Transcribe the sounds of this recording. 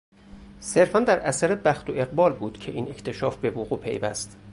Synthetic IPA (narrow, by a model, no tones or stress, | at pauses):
se̞ɾfænd̪æɾæsæɾebæxt̪ʰoʔe̞ɣbɒːlbuːd̪̥cʰe̞ʔiːne̞cʰt̪ʰe̞ʃɒːfbe̞voɣuːpʰe̞̰jvæ̰st̪